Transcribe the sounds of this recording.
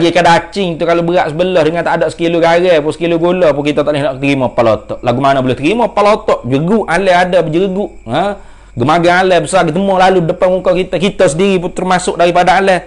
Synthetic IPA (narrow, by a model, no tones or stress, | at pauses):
d͡ʒakadaːt͡ʃɪŋt̪ukalobəɾaʔsəbəlɔhdəŋant̪adaʔsə̥kiluɡaɣɛpusə̥kiluɡolɔpuŋkit̪at̪aʔlehnaʔt̪əɾimɔpalot̪ɔʔlaɡumanabulɛht̪əɾimɔpalot̪ɔʔd͡ʒəɡuʔalɛadabəd͡ʒəəɡuʔə | ɡəmaɡaalɛbəsarɡit̪əmɔlaludəpamukɔkit̪akit̪əsədiɾiput̪ərmasʊk̚daɾipadaalɛ